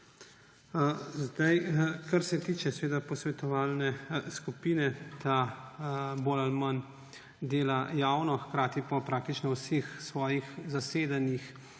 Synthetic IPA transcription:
zd̪ajkaɾsɛt̪iːt͡ʃɛsʋeːd̪apɔsʋɛt̪ɔʋaːlnɛskupiːnɛt̪ʰa | bolalman | d̪eːlajaːwnɔxkɾaːt̪ipɔpɾaːk̚t̪it͡ʃnɔwsexsʋɔːjixzaseːd̪anix

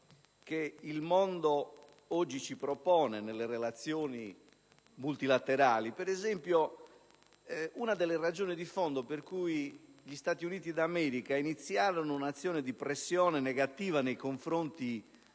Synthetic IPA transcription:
keilmɔnd̪o | ɔd͡ʒːit͡ʃipɾɔpɔːnɛnelːerɛlat̪sːjɔːni | mult̪ilat̪ːɛɾaːlipɛɾɛzɛmpjo | unad̪ɛlːerad͡ʒɔːnid̪ifɔnd̪operkuiʎist̪aːt̪iuniːt̪id̪amɛːɾikainit̪sːjaːɾɔnounat̪sːjɔːned̪ipɾesːjɔːnɛnɛɣat̪iːvanejkoɱfɾont̪i

